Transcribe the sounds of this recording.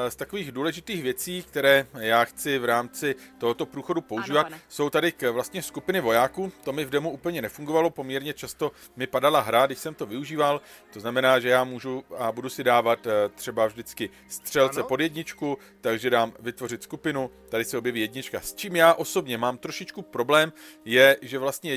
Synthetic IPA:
st̪ako̞viːɣduːlɛʒɪt̪iːxvjɛt͡siːkt̪ɛɾɛːjaːxt͡sɪvɾaːmt͡sɪt̪o̞ɦot̪o̞pɾuːxo̞dupo̞uʒiːvat̪so̞wt̪adɪvlast̪ɲɛskupɪnɪvo̞jaːkuːt̪o̞mɪvdmuʔuːpl̩ɲɛnɛfuŋɡo̞valo̞po̞mɲɛɾɲɛt͡ʃast̪o̞ | mɪpadalaɦɾaɡdɪʃsɛmt̪o̞vɪuʒiːvalt̪o̞znamɛnaːʒɛjaːmuːʒuabudusɪdaːvat̪t̪ːr̝̥ɛbavʒdɪt͡skɪ | st̪r̝̥ɛlt͡sɛpo̞djɛdɲɪt͡ʃku | t̪aɡʒɛdaːmvɪt̪vo̞r̝ɪt̪skupɪnut̪adɪsɛobjɛviːjɛdɲɪt͡ʃkast͡ʃiːmjaːʔo̞so̞bɲɛmaːmt̪ɾo̞ʃɪt͡ʃkupɾo̞blɛːmjɛʒɛvlast̪ɲɛ

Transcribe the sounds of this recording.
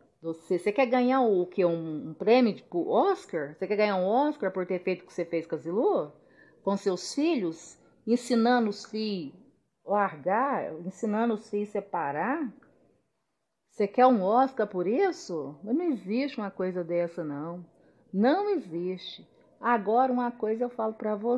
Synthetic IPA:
d̪osesekɛɾɡɐ̃ɲaʊːkɪɛũːpɾẽmjʊd͡ʒɪpʊɔskaɾsekɛɾɡɐ̃ɲaũɔskaɾpoɾt̪eɾfejt̪ʊ̥kɪ̥sefejskɐzilo | kõsewsfiʎʊs | ẽsĩnɐ̃d̪ʊsi | laɾɡaẽsĩnɐ̃d̪ʊsisepaɾa | sekɛɾũɔskaɾpoɾisʊnnɐ̃w̃ɪziʃt͡ʃɪũmɐkojzɐd̪ɛsɐnɐ̃w̃ | nɐ̃w̃ɪziʃt͡ʃɪ̥ | aɡɔɾɐũmɐkojzɐewfalʊpɾɐvo

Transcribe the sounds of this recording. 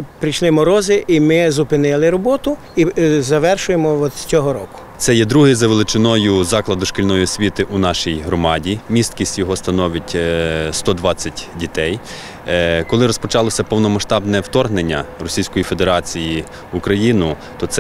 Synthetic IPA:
pɾɪjʃlˠɪmɔɾɔzɪʔimɪzʊpɪnɪlˠɪɾɔbɔt̪ʊ | izɐʋɛrʃʊjemɔɔt͡sʲɔɦɔɾɔkʊ̥t̪sɛjɛd̪ɾuɦɪzɐʋelˠɪt͡ʃɪnɔjʊzɑklˠɐd̪ʊʃkɪlʲnɔjʊsʲʋʲit̪ɪʔunɑʃijɦɾɔmɑdʲimʲist̪kʲisʲtʲjɔɦɔst̪ɐnɔʋɪtʲst̪ɔd̪ʋɑt͡sʲːɐtʲdʲit̪ɛj | kɔlˠɪɾɔspɔt͡ʃɑlˠɔsʲɐpɔwnɔmɐʃt̪ɑbnɛwt̪ɔrɦnenʲːɐrɔsʲijsʲkɔjife̞d̪eɾɑt͡sʲiji | ukɾɐjinʊ | t̪ɔt̪sɛ

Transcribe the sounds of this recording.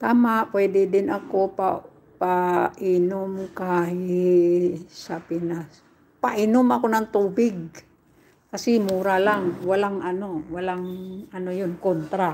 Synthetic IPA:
t̪aːmaʔpwɛd̪ɪd̪ɪnakopa | paʔinʊmkahɪ | sapɪnas | paʔɪnʊmʔakonaŋt̪uːbɪɡ̚ | kasɪmuːɾalaŋwalaŋanowalaŋɐnojʊnkont̪ɾa

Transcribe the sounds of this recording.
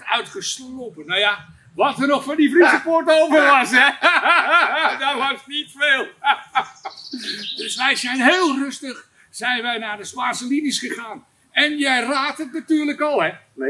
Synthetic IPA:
œ̰ɥtχəslowpənːawja | ʋɔtərnɔxfɔndifrisəportowpəʋɑsɛ | dɔʋɔsnitfeːlˠ | døsʋɛjzɛjnɦeːlˠrɵstəχ | sɛjnʋɛjnaːrdəspaːnsəlinisχəχaːn | ɛnjɛjraːtətnatyːrləkɔlˠhɛ

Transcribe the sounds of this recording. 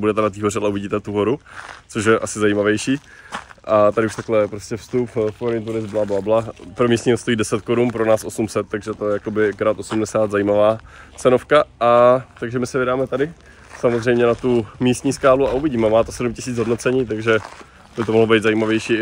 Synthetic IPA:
budɛt̪ɛnat̪iːɦo̞ɾɛalɛuvɪɟiːt̪ɛt̪uɦo̞ɾut͡soʃ̬jɛʔasɪzajiːmavjɛjʃiː | ʔat̪adɪuʃt̪aklɛpɾoscɛfst̪upfpoɾɲit̪̬unɪzblablablapɾomiːst̪ɲiːɦost̪o̞jiːdɛsɛt̪ko̞ɾunpɾonaːsʔo̞sumsɛt̪ːaɡʒɛt̪ojɛjako̞bɪkɾat̪ʔo̞sumdɛsaːd̪zajiːmavaː | t͡sɛnofkaat̪aɡʒɛmɪsɛvɪdaːmɛt̪adɪ | samozrɛjmɲɛnat̪umiːst̪ɲiːskaːluauvɪɟiːmɛmaːt̪osɛdumcɪsiːt͡sɦo̞dnot͡sɛɲiːt̪̬aɡʒɛ | bɪt̪omoɦlobejd̪zajiːmavjɛjʃiː

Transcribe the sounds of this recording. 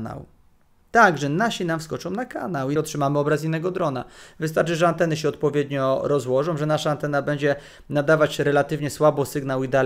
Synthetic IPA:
na̰w | t̪aɡʐɛnaɕinamfskɔt͡ʂɔ̃w̃naka̰nawɔtʂɘmamɘɔbɾas̬inːɛɡɔd̪ɾɔna̰vɘst̪aɾt͡ʂɘʐɛant̪ɛnɘɕ̬ɛɔt̪̚pɔvʲjɛd̪ɲɔɾɔzwɔʐɔ̃w̃ʐɛnaʂaːnt̪ɛnabɛɲd͡ʑɛ | nad̪avat͡ɕɾɛlat̪ɘvɲɛswabɔsɘɡnawid̪a

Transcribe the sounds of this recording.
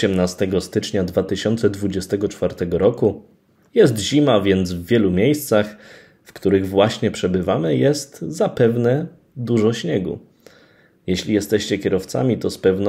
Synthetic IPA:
ɛmnast̪ɛɡɔst̪ɘt͡ʂɲad̪vat̪ɘɕɔnt̪sɛd̪vud͡ʑɛst̪ɛɡɔt͡ʂfaɾt̪ɛɡɔɾɔku | jɛs̬t̪ʑimavʲjɛnd̪zvːʲjɛlumʲjejst̪sax | fkt̪uɾɘɣvwaɕɲɛpʂɛbɘvamɘjɛst̪zapɛvnɛ | d̪uʐɔɕɲɛɡṵ | jɛɕlʲijɛst̪ɛɕt͡ɕɛkʲɛɾɔft̪sa̰mʲit̪ɔspɛvn

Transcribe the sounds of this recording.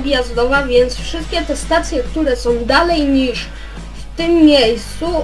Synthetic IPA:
bʲijazd̪ɔvavʲjɛnt̪sfʂɘst̪̚kʲɛt̪ɛst̪at̪sʲjɛkt̪uɾɛsɔ̃w̃d̪alɛjɲiʂ | ft̪ɘmːʲjejst̪su

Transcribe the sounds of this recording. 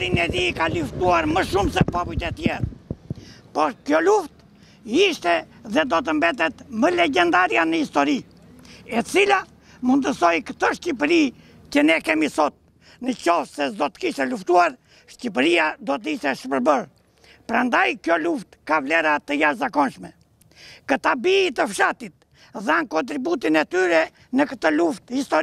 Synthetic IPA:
ɾinɛdiːkaluft̪uaɾməʃumsɛpɔpujt̪ɛt̪jɛɾ | pɔɾkjɔluft̪ | iʃt̪ɛðɛd̪ɔt̪̬əmbɛt̪̬ɛt̪məlɛɟɛnd̪aɾjanəist̪ɔɾi | ɛt͡sila | mund̪əsɔjkət̪əʃcipɾi | cənɛkɛmisɔt̪̚ | nəcɔfsɛd̪ɔt̪ə̥kiʃɛluft̪uaɾ | ʃcip̬əɾiad̪ɔt̪əiʃt̪ɛʃəpəɾbəɾ | pəɾand̪ajkjɔluft̪kavlɛɾat̪əjaʃzakɔnʃmɛ | kət̪abiːt̪əfʃat̪it̪̚ | ðankɔnt̪ɾibut̪̬inɛt̪yɾɛ | nəkət̪əluft̪hist̪ɔ

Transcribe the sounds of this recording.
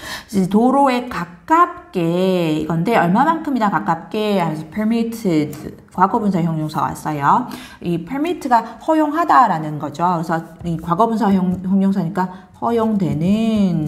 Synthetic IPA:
itoɾoe̞kakk͈ap̚k͈e̞iɡʌnde̞ʌɭmamankʰɯmidakak͈ap̚k͈e̞ampʰesʰʌpʰeɭmitʰɯd | kwaɡʌbunsʰaeçjoŋɲoŋsʰaɡa̰s͈ʌjo | ipʰeɭmitʰɯɡahʌjoŋɦadaɾanɯnɡʌd͡ʑoɯɾesʰʌikwaɡʌbunsʰaoçjoŋɲoŋsʰaɲik͈a | hʌjoŋdwe̞nɯn

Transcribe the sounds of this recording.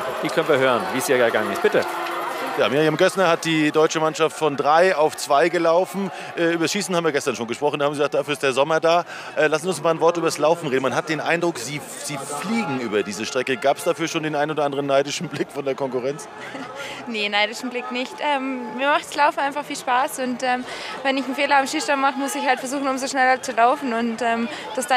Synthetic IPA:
v̥iːkʰœnviːɐɦøːʁənviːsiːəɡaŋənɪ̰st̚b̥ɪtə | jaːmiːjamɡɛsnɐhat̚d̥iːdɔʏt͡ʃəmanʃaftfɔndʁaɪaʊft͡sv̥aɪɡəlaʊfn̩ | ʔɛːʔyːbɐsʃiːsn̩habm̩viːɐɡɛstɐnʃoːnɡəʃpʁ̥ɔχn̩dahabm̩ɡiɡzaːkt̚d̥aːfyɐɪstd̥eːɐzɔmɐdaː | ʔɛːlasnziʊnsmaːlnvɔɐtʔyːbɐslaʊfn̩ʁeːdn̩manɦat̚d̥eːnʔaɪndʁʊkz̥iː | z̥iːfliːɡŋ̩ʔyːbɐdiːzəʃtʁ̥ɛkəɡaːpəsd̥afyːɐʃoːndeːnʔaɪnoːdɐandəʁənːaɪdɪʃn̩blɪkfɔndeːɐkʰɔŋkuʁɛnt͡s | nenaɪdɪʃn̩blɪknɪçtʔɛːmmiːɐmaχtslaʊfn̩aɪnfaχfiːlʃpaːsʊntʔɛːmvɛnɪçn̩feːlɐamʃiːʃtanmaχəmʊsɪçhaltfɛɐzuːxn̩ʊmzoʃnɛlɐt͡sulaʊfn̩ʊntʔɛːmd̥asd̥a

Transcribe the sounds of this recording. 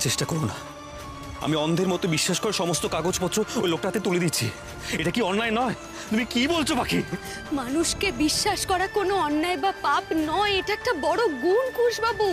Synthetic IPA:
t͡ɕeʃʈakɔɾona̰ | a̰miɔnd̪ʱeɾmɔt̪obiʃːaʃkɔɾaɾʃɔmost̪okaɡod͡ʑpot̪ːɾoojlok̚ʈat̪et̪uled̪it͡ɕʰḭ | eʈakiɔnːaenɔe | t̪umikibolt͡ɕʰobakʰi | manuʃkebiʃːaʃkɔɾakonoɔnːaebapapnɔeeʈaɛk̚ʈabɔɽoɡunkuʃbabu

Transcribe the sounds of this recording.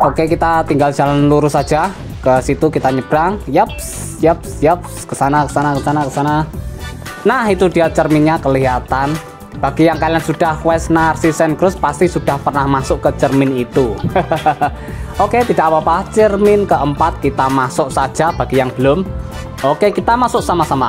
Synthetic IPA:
ʔokekit̪at̪iŋɡaldd͡ʒ̥alanluɾusad̥d͡ʒ̥a | kəsit̪ukit̪aɲəb̥ɾaŋjəp̚s | jəp̚sjəp̚skəsanakə̥sanakəsanakəsana | nahit̪ud̥ijat͡ʃərminɲakəliɦat̪an | b̥aɡ̥ijaŋkalijansuɖ̥ahwɛsnarsisɛnkəɾʊspast̪isud̥ahpərnahmasʊʔkət͡ʃərmɪnit̪u | oket̪id̥aʔpapat͡ʃərmɪnkəʔəmpat̪̚kit̪amasʊʔsad̥ʒ̥ab̥aɡ̥ijaŋb̥əlʊm | okekit̪amasʊʔsamasama

